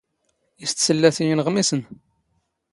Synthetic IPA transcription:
ist̪səlːæθijənəʁmisən

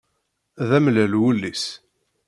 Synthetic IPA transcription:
ðæmlælwəlːis

